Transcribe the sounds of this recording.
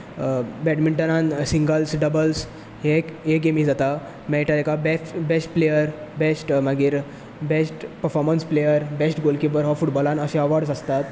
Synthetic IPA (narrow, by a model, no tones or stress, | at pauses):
bɛʈmiɳʈənansiŋɡəlsɖəbəls | ɦekeɡemid͡zat̪a | mɛʈaekabeʈbesʈplejəɾbesʈmaɡiːɾ | besʈpəɾfɔɾmənsplejəɾbesʈɡolkibəɾɦɔfuʈbɔlãnəɕẽəʋaɾɖs̬əst̪at̪